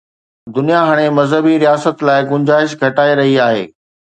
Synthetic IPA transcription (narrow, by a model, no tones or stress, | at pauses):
d̪ʊnijaɦaːɽ̃emɐzɦəbiɾijaːsət̪laːɪɡʊ̃ɲd͡ʑaːɪʃɡʱɐʈaːeɾɐɦiaːɦḛː